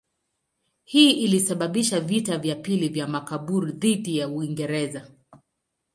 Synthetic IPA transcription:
hiːʔilisaɓaɓiʃavitavjapilivjamakaɓuɾuðiɗijauiŋɡɛɾɛza

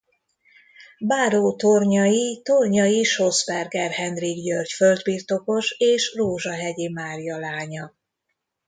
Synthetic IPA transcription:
baːɾoːt̪o̞rɲɒjit̪orɲɒjiʃo̞zbɛrɡɛrhɛnd̪riɡjørcføld̪birt̪o̞ko̞ʃeːʃroːʒɒɦɛɟimaːrijɒlaːɲɒ

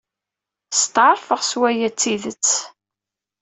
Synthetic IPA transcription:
st̪ʕəɾˤfəʁswæjæt͡sːiðət͡sː

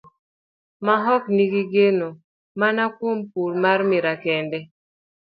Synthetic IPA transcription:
maɦɔkniɡiɡeno | manakwompulmaɾmɪɾakɛndɛ

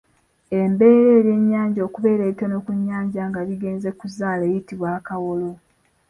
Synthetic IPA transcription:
e̞mbe̞ːɾe̞ːɾje̞ɲːaːɲɟo̞ːkuβe̞ːɾeːɾitono̞kuɲːaːɲɟaŋɡaβiɡe̞ːnze̞kuzaːleːjitiβwaːkawolo̞

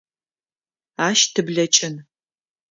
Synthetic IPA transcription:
aːʃtʰɨbɮɐt͡ʃʼɪn

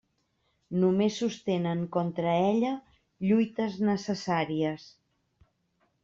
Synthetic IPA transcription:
numesːust̪enəŋkɔnt̪ɾəɛʎə | ʎujt̪əznəsəsaɾiəs

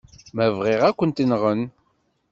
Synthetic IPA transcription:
mævʁɪʁækʷːənt̪inʁən

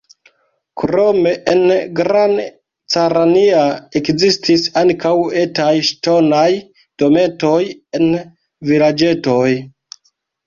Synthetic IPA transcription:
kɾo̞me̞ʔenɡɾan | t͡saɾaniaekzistisaŋkawe̞tajʃto̞naj | d̥o̞me̞to̞je̞n | vilad͡ʒe̞to̞j

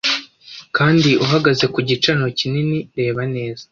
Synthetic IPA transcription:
kaːndiʔuɦaɡaze̞kuɟit͡ʃaɾno̞cininiɾe̞ːβane̞ːz̥ḁ

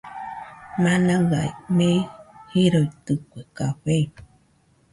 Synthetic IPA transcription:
mãnãɣa̰jmẽhiɾoit̪ɨkʷekaɸej

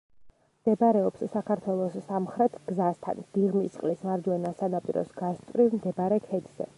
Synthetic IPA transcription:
md̪̥ɛbaɾɛɔpsːakʰaɾt̪ʰwɛlˠɔsːamχɾɛt̪ʰɡ̥zast̪ʰa̰nd̪̥iʁmisqʼlismaɾd͡ʒwɛnasanapʼḭɾɔ̰sɡ̥aʃt̪ʼvɾivmd̪ɛbaɾɛkʰɛd̪z̥ɛ̰

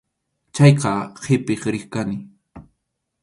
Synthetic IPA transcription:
t͡ʃɑjqɑqɪpɪχɾɪχkanɪ

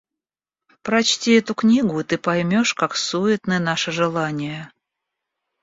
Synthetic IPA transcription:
pɾɐt͡ɕtʲiɛt̪ʊknʲiɡʊit̪ɨpɐjmʲoʂkaksuɪt̪nəjənaʂəʐɨlˠanʲɪjə

